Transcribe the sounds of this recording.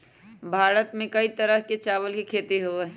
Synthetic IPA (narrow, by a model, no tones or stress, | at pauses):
bʱaːɾət̪mẽkɐit̪ɐɾəɦket͡ʃaːʋəlkekʰeːt̪eɦoɛ